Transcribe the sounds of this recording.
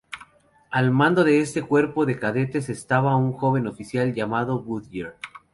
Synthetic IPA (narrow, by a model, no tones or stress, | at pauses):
almãnd̪o̞ðe̞e̞st̪e̞kwe̞ɾpo̞ðe̞kaðe̞t̪e̞se̞st̪aβauŋxo̞βe̞no̞fisjalʝamaðo̞βuðjiɾ